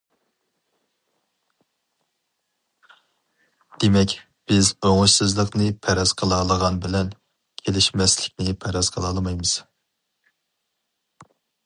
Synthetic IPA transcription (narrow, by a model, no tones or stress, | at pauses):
d̪̥emɛkʲ | b̥ɪzøŋʊʃsɨzlˠəqnɨpʰɛɾɑz̥qʰəlˠɑlˠəʁɑnbɪlɛn | kʲʰelɪʃmɛslɪk̚ʲnɪpʰɛɾɑzqʰəlˠɑlˠmɑjmɨz̥